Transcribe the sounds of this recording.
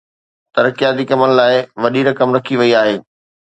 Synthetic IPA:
t̪ɐɾəkijaːt̪ikɐmənɪ̆laːɪʋɐɗiɾɐkəmɾɐkʰiʋɐiaːɦeː

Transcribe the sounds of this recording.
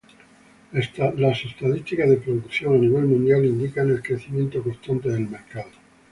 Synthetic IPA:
lasest̪aðist̪ikazðe̞pɾoðukθjo̞ŋaniβ̞e̞lmũnd̪jalind̪ikane̞lkɾe̞θimjent̪oko̞st̪ant̪eðe̞lme̞ɾkaðo

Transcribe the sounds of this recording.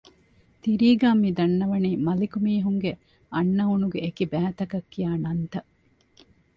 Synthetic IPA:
t̪iɾiːɡaːmid̪ɐnːɐʋɐniːmɐlikumiːɦuŋɡe | ɐnːɐɦunuɡeːkibæːt̪ɐkɐkːijaːnɐnt̪ɐ

